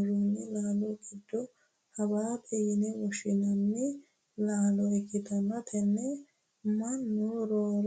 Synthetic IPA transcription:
d͡ʒuːnːɛlaːlɔkːɪd̪ːɔ | hɐwaːp̪ɛjɪnɛwɔʃɪnɐnːɛ | laːlɔɛkːɪt̪ɐmːɐt̪ʰɛnːɛ | mɐnːʊɾoːɾ

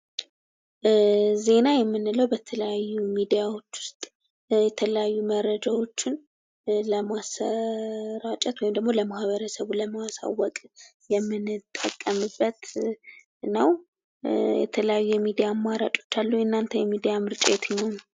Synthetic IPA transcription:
ze̞najɛmːɨnːɨləwbət̪ʰələjajːumid̪ijawo̞t͡ʃːwʊ̥st̪ʼ | jɛt̪ʰələjajːuməɾəd͡ʒawo̞t͡ʃːɪn | ləmasə | ɾat͡ʃʼɛt̪wɔjmd̪əɡmo̞ləmahβəɾəsəβuləməasa̰wɔkʼ | jɛmːɨnɨt̪ʼːəkʼːəmɨbːət̪ | nəw | jɛ̰t̪ʰələjajːujɛmid̪ijamːaɾa̰t͡ʃʼo̞̥t͡ʃːalːuɨnːant̪ʰəjɛmid̪ijamɨɾt͡ʃʼe̞t̪jhon

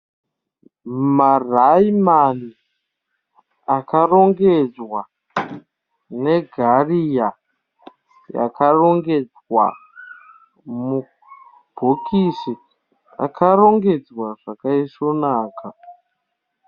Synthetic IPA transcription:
maraimani | akaro̞ŋɡed͡zwa | ne̞ɡʱarija | ja̰karo̞ŋɡe̞d͡zwa̰ | mu | b̥ʱokʰisi | a̰kʰaro̞ŋɡe̞d͡zwaʐ̥akaiso̞naːkʰa

